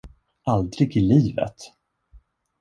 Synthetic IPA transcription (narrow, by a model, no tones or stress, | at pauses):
ʔald̪ɾɪɡɪliːvə̰t̪